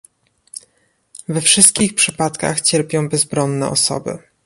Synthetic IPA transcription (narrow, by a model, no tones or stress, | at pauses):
vɛfʂɘst̪̚kʲixpʂɘpat̪ka̰xt͡ɕɛɾpʲjɔ̃w̃bɛzbɾɔnːɛ̰ʔɔ̰sɔ̰bɘ̰